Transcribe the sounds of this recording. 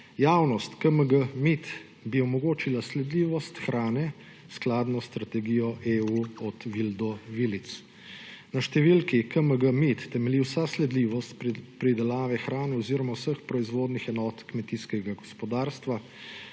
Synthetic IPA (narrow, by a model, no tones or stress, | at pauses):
jaːwnɔst̪kəməɡəmit̪ | biɔmɔɡoːt͡ʃilaslɛd̪liːʋɔst̪xɾaːnɛ | sklaːd̪nɔst̪ɾat̪ɛɡijɔʔeːuɔt̪ʋild̪ɔʋilit̪s | naʃt̪ɛʋilkikəməɡəmit̪ːɛmɛliwsaslɛd̪liːʋɔst̪pɾid̪ɛlaːʋɛxɾaːnɛɔziːɾɔmawsəxpɾɔizʋoːd̪nixɛnɔːt̪kmɛt̪iskɛɡaɡɔspɔd̪aːɾst̪ʋa